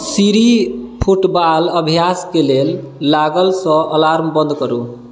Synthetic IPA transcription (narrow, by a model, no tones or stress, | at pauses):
siɾipʰuʈbaləbʱjaskelel | laɡəlsə̃ʔəlaɾmbə̃nd̪kəɾṵ